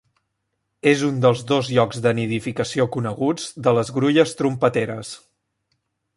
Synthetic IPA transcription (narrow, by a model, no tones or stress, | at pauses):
ezund̪əlˠzðozʎɔɡzðəniðifikəsiokunəɣud͡zd̪ələzɣɾuʎəst̪ɾumpət̪eɾəs